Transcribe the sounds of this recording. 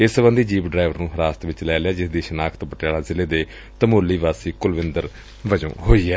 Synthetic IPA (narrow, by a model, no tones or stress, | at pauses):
ɪsəbənd̪iːd͡ʒiːpɖɾaːɪʋəɾnũːɦəɾaːst̪ʋɪt͡ʃlɛːlɪaːd͡ʒɪsd̪iːʃənaːkʰət̪bəʈjaːɽãːzɪleːd̪eː | t̪əmoːlːiːʋaːsiːkʊlʋɪnd̪əɾ | ʋəd͡ʒõ̰ːɦoːiːɛː